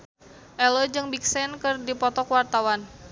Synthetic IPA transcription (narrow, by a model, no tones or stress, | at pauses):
ʔɛlɔd͡ʒɨŋbik̚sɛnkɨrdipɔt̪ɔkwart̪awan